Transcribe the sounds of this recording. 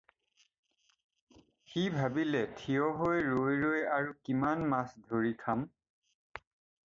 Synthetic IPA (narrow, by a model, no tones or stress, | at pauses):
xibʱabilɛtʰiɔɦojɹojɹojaɹukimanmasdʱoɹikʰam